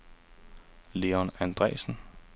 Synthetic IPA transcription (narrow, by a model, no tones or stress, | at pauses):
le̝ːɒnænd̥ʁɛ̰ːsn̩